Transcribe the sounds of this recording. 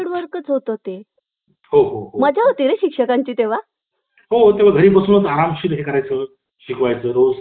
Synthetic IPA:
ɽʋəɾkət͡sɦot̪oɦt̪e | hoɦoɦoməd͡ʑʱaɦot̪iɾeɕikʂəkaɲt͡ɕiːt̪eʋ̤a | ɦot̪eʋ̤aɡʱəɾiːbəsunət͡səaɾamɕit̪ɦekəɾajt͡səː | ɕikʋajt͡səːɾod͡z

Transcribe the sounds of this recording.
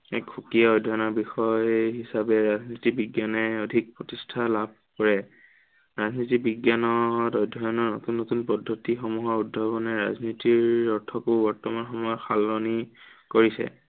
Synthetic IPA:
ɛ̰kxukiaɔjdʱɔjnɔɹbixɔjɦisabɛɹaznitibiɡjanɛodʱik̚pɹotistʰalab̚ʱkɔɹɛ | ɹaznitibiɡjanɔdɔjdʱɔjɔnɔɹno̰tunːotunpɔdʱːɔtixɔmuɦɔɹudʱːɔbɔnɛɹa̰znitiɹɔɹtʰɔkʊbɔɹtɔmanxɔmɔjɔxalːɔnikoɹisɛ̰

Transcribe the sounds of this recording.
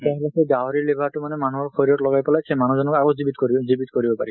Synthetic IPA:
tɛɦɛlɛsɛɡaɦɔɹiɹlebʱatʊmanɛmanuɦɔɹxoɹiɔtlɔɡajpɛlajsʰɛmanuzɔnɔkaɡozibitkoizibitkoɹibɔpa̰ɹi

